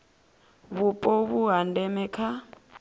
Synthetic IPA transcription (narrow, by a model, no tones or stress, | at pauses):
βupʼɔβuɦandɛmɛkʰa